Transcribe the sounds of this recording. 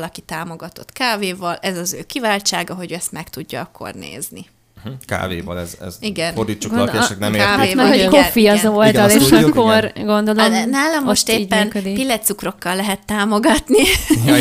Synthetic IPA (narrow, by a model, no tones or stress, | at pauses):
lɒkit̪aːmo̞ɡɒt̪o̞t̪kaːveːvɒlɛzɒzøːkivaːlt͡ʃaːɡɒɦo̞ɟɛst̪mɛkt̪uɟːɒɒkʰːo̞̰rnḛːzni | ka̰ːvḛːvɒ̰lɛ̰zɛ̰ziɡɛnord̪it͡ʃːuɡ̪t͡ʃɛknɛmeaamɛokofiɒzolt̪ɒleːʃɒkːorɡo̞nd̪o̞lomnaːlɛmːoʃt̪eːiːɟmːɛynːkød̪ipilːɛt̪sukro̞kːɒlːɛɦɛt̪ːaːmo̞ɡɒt̪ni